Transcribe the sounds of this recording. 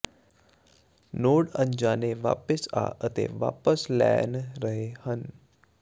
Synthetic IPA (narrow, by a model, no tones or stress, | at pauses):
noːɽə̃ɲd͡ʒaːneʋa̰ːpəsa̰ːʔət̪ḛʋa̰ːpəslɛ̰ːnɾəɦehən